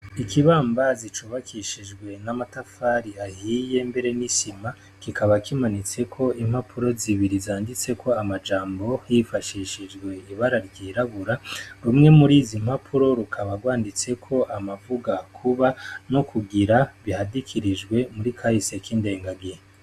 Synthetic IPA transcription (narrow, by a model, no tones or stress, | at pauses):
ikiβaːmbazit͡ʃuβakʰiʃid͡ʒɡwe̞namatafaːɾiahiːje̞mbe̞ɾe̞nisima | kikaβakʰimanit͡se̞kʰo̞im̥hapʰuɾo̞ziβiɾizaːndit͡se̞kʰo̞amad͡ʒaːmbo̞hifaʃiʃid͡ʒɡwe̞iβaɾaɾɟiːɾaβuɾaɾumŋe̞muɾiːzimhapʰuɾo̞ɾukʰaβaɡwaːndit͡se̞kʰo̞ʔamavuɡakʰuβano̞kʰuɡiɾaβihadikʰiɾid͡ʒɡwe̞muɾikʰahisijakiːnde̞ːŋɡaɡe